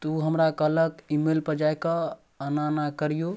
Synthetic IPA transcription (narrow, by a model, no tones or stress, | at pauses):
t̪uɦəmɾakələkimelpəd͡ʒajkə | ənanakəɾijo